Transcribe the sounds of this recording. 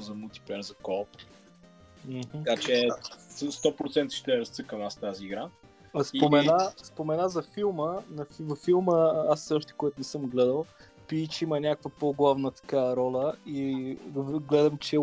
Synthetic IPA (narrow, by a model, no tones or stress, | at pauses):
zɐmulˠt̪i̥pɛɾzɐkɔlp | m̩ɦ̩kat͡ʃɛ | st̪ɔpɾot̪sɛnt̪ə̥ʃt̪ɛɾɐst̪sɤkənast̪aziːɡɾa | sipomɛnaspomɛnazɐfilˠmənɐfvɐfːilˠməasəʃt̪ɛ̥kojat̪ʊnɛsɤmɡlɛd̪əlˠ | piit͡ʃɛimənʲakəkvəpoɡlˠavnət̪ɐ̥kaɐɾɔlʲəivɡlɛd̪ɐmt͡ʃɛ